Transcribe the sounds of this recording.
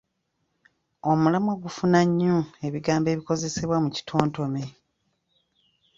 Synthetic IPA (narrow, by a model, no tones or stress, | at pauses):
o̞mulamoɡufunaɲːue̞βiɡaːmbe̞ːβiko̞ze̞seβwamuci̥tʰo̞ːnto̞me